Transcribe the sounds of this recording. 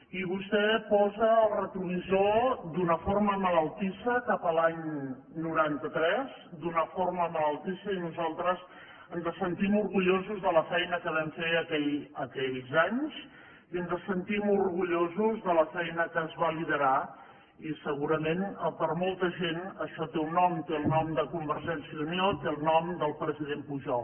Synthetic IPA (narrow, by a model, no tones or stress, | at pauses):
iβust̪ɛpɔzəːlˠrət̪ɾuβizod̪unəfoɾməmələlˠt̪isəkapəlaɲ | nuɾant̪ət̪ɾɛzd̪unəfoɾməmələlˠt̪isəinuzalˠt̪ɾəz | ənzəsənt̪imuɾɣuʎozuzðələfɛjnəkəβ̞ɛmfeəkɛʎəkɛʎzaɲz | iənzəsənt̪imuɾɣuʎozuzðələfɛjnəkəzβaliðəɾa | isəɣuɾəmenəpəɾmɔlˠt̪əʒenəʃɔt̪eunːɔmt̪eəlˠnɔmd̪əkumbəɾʒɛnsiəumiot̪elˠnɔmd̪əlˠpɾəziðempuʒɔlˠ